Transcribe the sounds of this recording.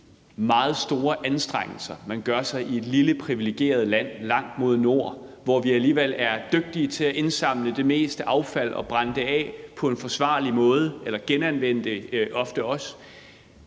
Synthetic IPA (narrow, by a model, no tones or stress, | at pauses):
mɑ̈ːð̞̩ˠsd̥o̝ːɐʔænsd̥ʁaŋ̰l̩sɐmænɡ̥ɶɐsɑ̈ɪʔie̝d̥liləpʰʁiʋile̝ɡ̥je̝̰ːɐð̞̩ˠlæn̰lɑ̈ŋ̰d̥mo̝ð̞ˠno̝ɐ̰ʋɒʋiæliːʋel̰æɐd̥øɡ̥̚d̥iət͡sʰe̝læʔe̝nsɑ̈m̰ləd̥e̝me̝̰ːsd̥əʔɑ̈ʊfæl̰ʔɒ̽b̥ʁɑnd̥əɛ̰pʰɒ̽e̝nfɒ̽sʋɑ̈ːlimɔ̽ːð̞ˠəelɐɡ̥enænʋen̰d̥əʔɒ̽fd̥əɒ̽s